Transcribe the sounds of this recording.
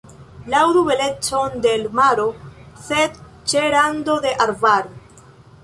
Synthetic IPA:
lawdube̞le̞t͡so̞nde̞lmaɾo̞se̞d | t͡ʃeɾando̞de̞ʔaɾvaɾ

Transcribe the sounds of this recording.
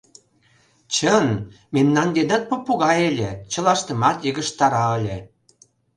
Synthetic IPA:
t͡ɕən | memnɑnd̪ed̪ɑt̪̚popuɣɑelʲet͡ɕə̆lɑʃt̪ə̆mɑt̪jəɣə̆ʃt̪ɑɾɑəlʲe

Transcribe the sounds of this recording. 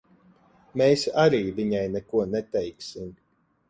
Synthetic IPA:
meːsaɾiːviɲajnɛkuɔnɛt̪ɛjksim

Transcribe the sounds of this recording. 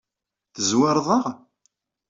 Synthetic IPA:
θəzwɑɾˤðˤəʁ

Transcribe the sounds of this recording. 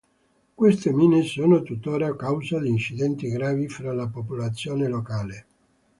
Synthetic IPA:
kwest̪emiːnesoːnot̪ut̪ːoːɾakawzad̪iːnt͡ʃid̪ɛnt̪iɡɾaːvifɾalapopolat̪sːjoːnelokaːle

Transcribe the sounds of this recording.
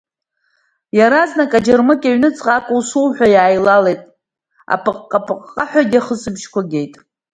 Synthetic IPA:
jaɾaznakʼad͡ʒarmɨkʲʼaɥnɨt͡sʼqʼakʼuwsuwħʷᶣajaːjlalejtʼ | a̰pʼɨqʼqʼːapʼɨqʼːaħʷᶣaɡʲɪaχəsɨbʒkʷaɡʲe̞jtʼ

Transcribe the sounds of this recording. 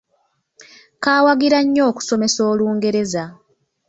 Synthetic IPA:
kaːwaɡiɾaɲːo̞ːku̥so̞me̞so̞ːluːŋɡe̞ɾe̞za

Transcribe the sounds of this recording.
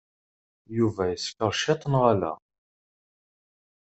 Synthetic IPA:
juvæjəskəɾˤʃɪt̪ˤənʁalæ̰

